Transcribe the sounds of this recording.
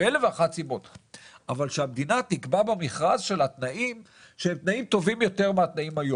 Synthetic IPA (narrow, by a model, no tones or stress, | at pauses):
eleveaχat͡sibot̪ʔavalʃeabd̪inat̪ikbabemiχʁazʃe̞lat̪naʔim | ʃeemt̪naimt̪o̞vimjo̞t̪e̞ʁmeat̪naimhajo